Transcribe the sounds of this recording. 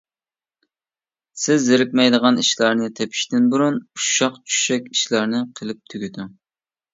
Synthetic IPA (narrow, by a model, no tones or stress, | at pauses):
sɪzːɪɾɪk̚ʲmɛjd̪əʁɑniʃlˠɑɾnɨt̪ʰɛpʰi̥ʃt̪ɪnbuɾunuʃɑqt͡ʃʰy̥ʃɛkʲiʃlɑɾnɪqʰəlˠɪp̚t̪ʰyɡʲyd̪u